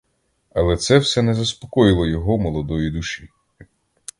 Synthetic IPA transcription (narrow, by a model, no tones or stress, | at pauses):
ɐlˠɛt̪sɛwsɛnɛzɐspɔ̥kɔjɪlˠɔjɔɦɔmɔlˠɔd̪ɔjid̪uʃi